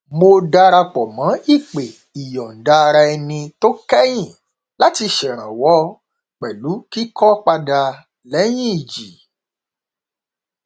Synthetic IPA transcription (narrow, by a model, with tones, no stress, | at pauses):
mo˧da˧ɾa˧k͡pɔ˨mã˨˦i˦˨k͡pe˨ | i˨jɔ˨n̩˨da˧ɾa˧ɛ˧nĩ˧to˦kɛ˦j̃ĩ˦˨ | la˦ti˧ʃɛ˨ɾ̃ã˨wɔ˦ | k͡pɛ˨lu˨˦ki˦kɔ˦k͡pa˧da˧ | lɛ˨˦j̃ĩ˦i˨d͡ʒi˨